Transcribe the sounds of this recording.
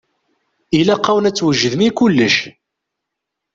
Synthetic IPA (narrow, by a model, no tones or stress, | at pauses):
ilæqːawənæt͡sːwəʒəðmikulːəʃ